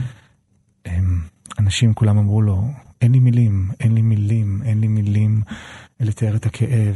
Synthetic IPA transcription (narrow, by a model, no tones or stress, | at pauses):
ʔem | anaʃimkulamamʁulo̞ʔenlimilimʔenlimilimenlimilimelet͡saeʁet̪hakʰeʔev